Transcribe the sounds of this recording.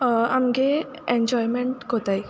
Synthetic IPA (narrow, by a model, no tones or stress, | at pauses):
amɡe | eɲd͡ʑɔjmeɳʈɡɔt̪aj